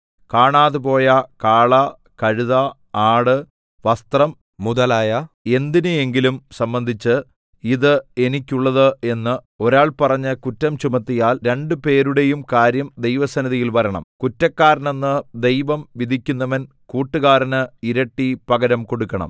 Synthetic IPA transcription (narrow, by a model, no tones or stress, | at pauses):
kaːɳaːðɨpo̞ːjɐkaːɭɐ | kɐɻuðɐ | aːɽɨ | ʋɐst̪rɐm | muðɐlaːjɐe̞nd̪inɨe̞ŋɡilumsɐmbɐnd̪ʱit͡ɕːɨ | iðɨe̞nikʲːuɭːɐðɨe̞nːɨ | oɾaːɭpɐrɐɲːɨkutːɐmt͡ɕumɐt̪ːijaːlɾe̞ɳɖɨpe̞ːɾuɽe̞jumkaːɾjɐmd̪e̞jʋɐsɐnɐðijilʋɐɾɐɳɐ̰mkutːɐkːaːɾɐnenːɨd̪e̞jʋɐmʋid̪ʱikʲːunːɐʋɐn | kuːʈːɨɣaːɾɐnɨiɾɐʈːipɐɡɐɾɐmko̞ɽukːɐɳɐ̰m